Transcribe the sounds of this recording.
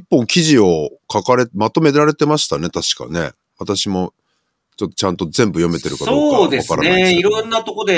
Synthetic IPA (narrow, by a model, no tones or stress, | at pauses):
ipːõ̞ŋkʲiʑio̞kakaɾe̞mat̪o̞me̞ɾaɾe̞t̪e̞maɕi̥t̪ane̞t̪aɕi̥ka̰ne̞̰ | βat̪aɕimo̞ | t͡ɕo̞t̪ːo̞t͡ɕãnt̪o̞zẽ̞mbɯ̟jo̞me̞t̪e̞ɾɯ̟katsooːd̪eakaɾa̰neiɾõnːat̪o̞ko̞d̪e